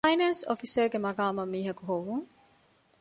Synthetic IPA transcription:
jnɐnsofiseɡemɐɡaːmɐmːiːɦɐkuɦoʋuŋ

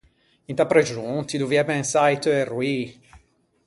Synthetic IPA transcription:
int̪apɾed͡ʒũt̪id̪uvjɛbɛ̃nsajt̪əerwi

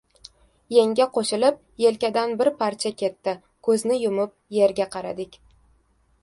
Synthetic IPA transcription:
jeŋʲaqʰoʃɪlɪp̚ | je̞lkʲad̪anbɪɾpʰaɾt͡ʃʰakʲe̞t̪ːɪ | kʰɵznɪjʊmɪp̚je̞ɾɡʲaqʰɑɾa̰d̪ɪkʲ

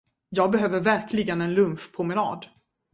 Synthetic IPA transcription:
jɑːɡ̚bɛɦøːvəɾvæɾkʰlɪɡənɛnlɵmfpʰɾʊmɪnɑ̰ːd̪

